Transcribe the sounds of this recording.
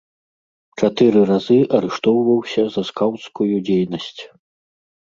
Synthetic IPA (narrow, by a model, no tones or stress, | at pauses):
t͡ʂat̪ɨɾɨɾazɨʔɐɾɛʂt̪ɔwvɐwsʲɐzɐskawt̪skujud͡zʲejnɐsʲt͡sʲ